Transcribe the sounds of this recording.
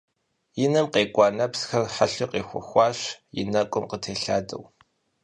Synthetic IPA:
jɪnɐmqeːkʷʼɑːnɐpsxɐrħaɬɨqeːxʷɔ̰xʷɑːɕjɪ̰nɐkʷʼʊmqətʰeːɬaːdɐ̰w

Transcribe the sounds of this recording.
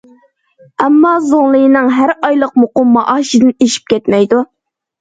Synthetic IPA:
ɛmːɑzoŋlˠɨjinɨŋɦæɾɑjlˠəqmoqʊmːɑʔɑːʃid̪ɨneʃi̥p̚kʲʰɛt̪mɛjd̪u

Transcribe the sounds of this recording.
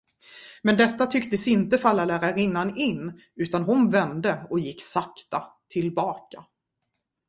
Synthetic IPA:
mɛnd̪ɛt̪ːat̪ʰʏkt̪əsɪnt̪əfalːalæːɾaɾɪnːanɪnː | ʉ̟ːt̪anɦʊnvɛnd̪əɔjɪkːsakt̪at̪ʰɪlbɑːka

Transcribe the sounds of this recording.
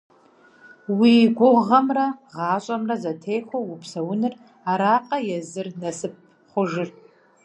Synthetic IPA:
wiɡʷʊʁɐmrɐʁɑːɕʼɐmrɐzɐtʰejxʷowʊpsɐwʊnɨr | aɾaːqʼɐjɛzɨrnɐsɨp̚ | χʷʊʒɪr

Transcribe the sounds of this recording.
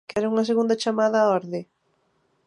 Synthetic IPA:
kɛɾauŋaseɣũnd̪at͡ʃamaðaoɾðe

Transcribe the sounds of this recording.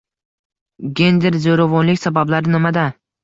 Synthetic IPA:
ɡʲe̞nd̪eɾzoɾavɒnlɪkʲsabablaɾɪnɪmad̪a

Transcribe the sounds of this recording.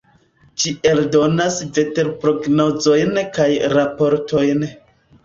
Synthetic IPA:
d͡ʒie̞ldo̞nasve̞te̞ɾpɾo̞ɡnozo̞jnkajɾapo̞ɾtʰo̞jn

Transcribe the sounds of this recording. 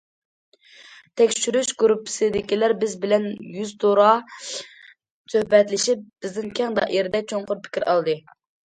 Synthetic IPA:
t̪ʰɛkʲʃyɾyʃɡuɾupʰːɪ̥sɨd̪ɪkʲilæɾbɪzbɪlɛnjyzt̪oɾɑ | søhbɛt̪lɪʃipb̥ɪznɪŋkʲʰɛŋd̪ɑ̰ʔeɾɪd̪ɛk̚ʲt͡ʃʰoŋqʊɾpʰɪ̥kʲiɾɑ̰lˠd̪ɨ

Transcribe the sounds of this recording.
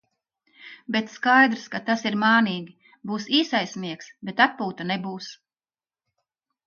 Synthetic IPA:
bet̪skajd̪ɾskat̪asiɾmaːniːɡʲi | buːsiːsajsʲmiɛksbet̪at̪̚puːt̪anebuːs

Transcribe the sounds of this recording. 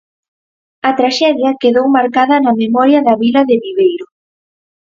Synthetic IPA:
ɐt̪ɾaʃɛðjɐkeðowmaɾkaðɐnɐmemɔɾjɐðɐβilɐðɪβiβejɾʊ

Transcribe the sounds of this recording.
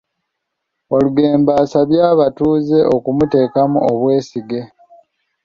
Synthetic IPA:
o̞luɡe̞ːmbaːsaβjaːβatuːze̞ʔo̞kumute̞ːkamuoβwe̞ːsiɡe̞

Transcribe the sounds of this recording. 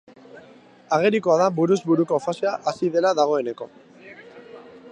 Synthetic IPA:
aɣ̞e̞ɾikoaðabuɾuzβuɾuko̞faseaʔasiðe̞laðaɣ̞o̞e̞ne̞ko̞

